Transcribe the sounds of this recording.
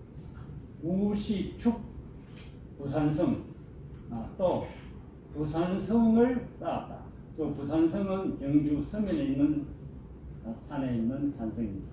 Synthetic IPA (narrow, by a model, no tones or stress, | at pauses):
uɕʰit͡ɕʰuk̚ | pusʰansʰɯŋ | t͈o | pusʰansʰɯŋɯɭs͈awat̚t͈a̰ | t͈opusʰansʰɯŋɯnkjʌŋd͡ʑusʰɯmeneinːɯn | sʰaneinːɯnsʰansʰɯŋimɲida